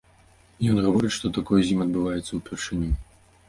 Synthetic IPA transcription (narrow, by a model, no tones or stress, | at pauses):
jɔnɣavɔɾɨtʂt̪ɔt̪akɔjzʲimʲɐd̪̚bɨvajɛt̪sːɐwpʲɛrʂɨnʲu